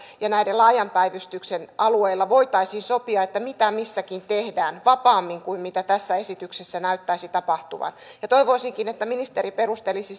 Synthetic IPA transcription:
jɑnæidelɑːjɑmpæiʋyst̪yksenɑlueilːɑʋoit̪ɑisiːnsopiɑet̪ːæmit̪æmisːækint̪ehdæːnʋɑpɑːmːiŋkuimmit̪æt̪æsːæesit̪yksesːænæyt̪ːæisit̪ɑpɑht̪uʋɑ̰njɑt̪oiʋoisiŋkinet̪ːæminist̪eɾiperust̪elisi

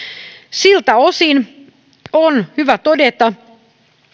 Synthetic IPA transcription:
silt̪æosin | onhyʋæt̪odet̪ɑ

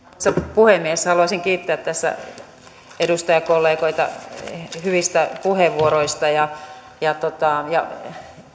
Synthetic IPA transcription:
sːæpuhemːiehesːhɑluɑsiŋkiːt̪ːeæt̪t̪æsːæ̰ | edust̪ɑjɑkolːeːkoit̪ɑ̰ | hyʋist̪æpuheʋʋuoɾoist̪ɑjɑ | jɑt̪ot̪ɑˑjɑ̰

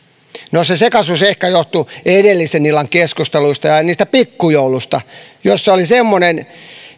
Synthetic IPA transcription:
nosesekɑsusehkæjoht̪uedelːisenilːɑŋkeskust̪eluist̪ɑjɑniːst̪æpikːujoulust̪ɑjosːeolisemːonen

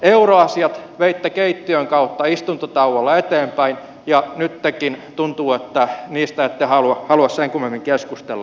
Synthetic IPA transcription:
euroɑsiɑt̪ʋeit̪ːækeit̪ːiøŋkɑut̪ːɑist̪unt̪ot̪ɑuʋɑlːɑet̪eːmpæin | jɑnyt̪tekint̪unt̪uːet̪ːæniːst̪æet̪ːehɑluɑhɑluɑsseŋkumemːiŋkeskust̪elːɑ

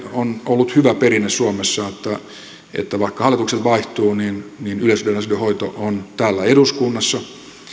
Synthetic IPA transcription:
onolːut̪hyʋæperinːessuomesːɑet̪ːæ | ḛt̪ːæʋɑikːɑhɑlːˑit̪ukselʋɑiht̪uːniːnninyløsydenɑsydøhoit̪oʔont̪æːlːæeɾuskunːɑsːɑ

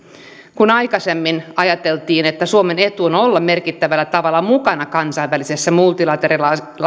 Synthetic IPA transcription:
kunɑjkɑse̞mːinɑjɑt̪e̞lt̪iːnet̪ːæsuome̞ne̞t̪uonolːɑme̞rkit̪ːæʋælːæt̪ɑʋɑlːɑmukɑnɑkɑnsɑijʋʋælise̞sːæmult̪ilɑt̪eɾilɑ | l

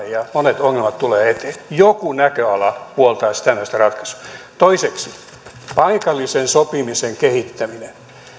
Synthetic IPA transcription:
jɑmonet̪oŋːelmɑt̪t̪uleːet̪e̥ːjokunækøɑlɑpuolt̪ɑːsi̥t̪ænæist̪ærɑt̪kɑ̥su̥t̪oiseksi | pɑikɑlːisensopimiseŋkehit̪ːæminen

